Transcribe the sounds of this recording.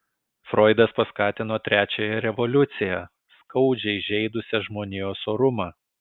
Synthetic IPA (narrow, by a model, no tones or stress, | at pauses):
fɾoːɪd̪ɐspɐskɑːt̪ʲɪnoːt̪ʲɾʲæːt͡ʃʲojɛɾʲɛʋɔlʲʊt̪sʲɪjɛ | skɐʊd͡ʒʲɛɪʒʲɛɪd̪ʊsʲɛʒmoːnʲeoːsoːɾʊmɑː